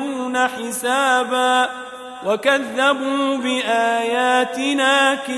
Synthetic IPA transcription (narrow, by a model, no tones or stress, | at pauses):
uːnaħɪsaːbaː | wakaðːabuːbɪʔaːjaːt̪ɪnaːkɪ